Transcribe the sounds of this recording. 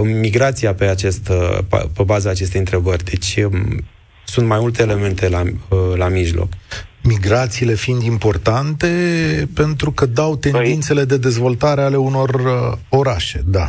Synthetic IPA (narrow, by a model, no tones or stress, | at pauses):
miɡɾat̪sijape̞at͡ʃest̪ppe̞bazəːt͡ʃe̞st̪ejɨnt̪ɾe̞bərʲd̪e̞t͡ʃʲ | sunt̪̚majmult̪e̞ːle̞me̞nt̪e̞lalamiʒlo̞̰kmiɡɾat̪siːle̞find̪impo̞rt̪ant̪e̞pe̞nt̪ɾukəd̪awt̪e̞nd̪int̪se̞le̞d̪e̞d̪e̞zvo̞lt̪aɾe̞ale̞uno̞ro̞ɾaʃe̞d̪a̰